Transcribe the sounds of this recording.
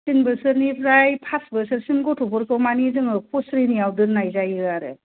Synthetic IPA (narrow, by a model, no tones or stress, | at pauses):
tinbɯɾsɯɾnipʰɾajpʰasbɯɾsɯɾsimɡɔtʰɔpʰɔɾkʰɯwmanizɯŋɯpʰɔsɾiniawdɯɾnajzajiaɾɯ̰